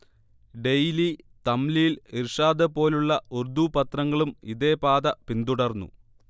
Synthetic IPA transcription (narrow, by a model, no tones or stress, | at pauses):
ɖe̞jli | t̪ɐmlijilirʂaːd̪ɐpo̞ːluɭːɐurd̪upɐt̪rɐŋːɐɭumiðe̞ːpaːd̪ɐpind̪uɽɐrnːṵ